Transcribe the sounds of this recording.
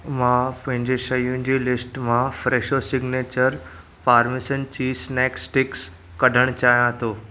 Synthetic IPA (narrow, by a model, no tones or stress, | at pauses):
mãpɐ̃ɦɪ̃ɲd͡ʑeʃɐjũnd͡ʑiːlɪsʈmãfɾeːʃosɪɡneːt͡ɕəɾ | faːɾmɪsənt͡ɕiːsnɛːksʈɪks | kɐɖʱəɽ̃t͡ɕaːɦijãt̪ʰoː